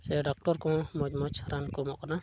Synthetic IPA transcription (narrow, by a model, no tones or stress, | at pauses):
sɛɖɔk̚ʈɔɾkɔ̃mɔd͡ʒmɔt͡ʃʰaɾankɔmɔʔkana